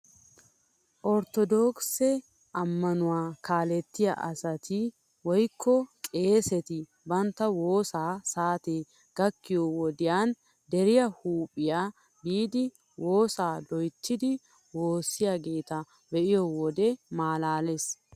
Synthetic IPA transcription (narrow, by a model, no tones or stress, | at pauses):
ʔɔɾt̪ɔd̪oksɛ | ʔɐmːɐnʊwaːkaːlɛt̪ːɪja̰ʔɐsɐt̪ɪ | wɔjkʰːɔkʼe̞ːsɛt̪ɪ | bɐnt̪ːɐwoːsaːsaːt̪e | ɡ̥ɐkːɪjɔwɔd̪ɪjaːn | d̪ɛɾɪjɐhuːpʼːɪjaː | biːd̪ɪ | woːsaːd̪ɔjt̪ːɪd̪ɪ | wo̞ːsːɪjaɡeːt̪ɐ | bɛʔɪjɔwɔd̪ɛmaːlaːles